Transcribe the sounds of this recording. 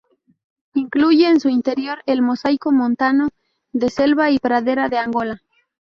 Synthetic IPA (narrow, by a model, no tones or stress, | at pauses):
iŋkluʝe̞ːnsuint̪e̞ɾjo̞ɾe̞lmo̞sajko̞mõnt̪ano | ðe̞se̞lβaipɾaðe̞ɾaðe̞aŋɡo̞la